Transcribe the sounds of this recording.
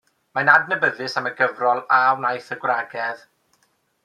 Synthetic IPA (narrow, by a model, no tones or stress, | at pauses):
manadnəbəðɨsaməɡəvrɔlˠawnajθəɡwraɡɛð